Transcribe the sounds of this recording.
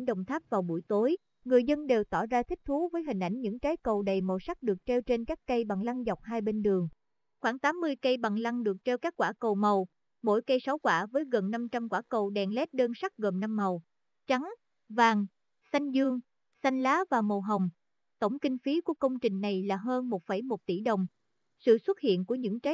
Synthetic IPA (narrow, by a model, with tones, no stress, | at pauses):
ŋɗə̰˨wŋ͡mt̪ʰaː˦˥p̚vaː˨˩wɓṵ˧˩əjt̪o˨˦j | ŋɨ˨˩əjzə˧nɗe˨˩wt̪ɔ˧˩zaː˧t̪ʰï˦˥k̚t̪ʰu˨˦vəː˨˦jɦï˨˩ŋ̟ʔa˧˩jŋ̟ɲɨ̰˧˥ŋt͡ɕaː˨˦jkə˨˩wɗə˨˩jmo˨˩sa˦˥k̚ɗɨ˨˩ək̚t͡ɕe˧wt͡ɕe˧nkaː˦˥kkə˧jɓa˨˩ŋla˧ŋzɔ˨˩wk͡p̚hɦaː˧jɓe˧nɗɨ˨˩əŋ | xwaː˧˩ŋt̪aː˨˦mːɨ˧əjkə˧jɓa˨˩ŋla˧ŋɗɨ˨˩ək̚t͡ɕe˧wkaː˦˥kːwaː˧˩kə˨˩wmə˨˩w | mo̰˧˥jkə˧jsa˨˦wkwaː˧˩vəː˨˦jɣə˨˩nːa˧mt͡ɕa˧mkwaː˧˩kə˨˩wɗɛ˨˩nlɛ˦˥t̚ɗəː˧nsa˦˥k̚ɣəː˨˩nna˧mːə˨˩w | t͡ɕa˨˦ŋ | vaː˨˩ŋ | sa˧jŋ̟zɨ˧əŋ | sa˧jŋ̟laː˨˦vaː˨˩mə˨˩wɦə˨˩wŋ͡m | t̪ə˧˩wŋ͡mkï˧ŋ̟fi˨˦ku˧˩əkə˧wŋ͡mt͡ɕï˨˩ŋ̟na˨˩jlaː˨˩ɦəː˧nmo˨˩t̚fə˧˩jmo˨˩t̚t̪ḭ˧˩ɗə˨˩wŋ͡m | sɨ̰˧˨swə˦˥t̚hḭ˧˨ənku˧˩əɲɨ̰˧˥ŋt͡ɕaː˨˦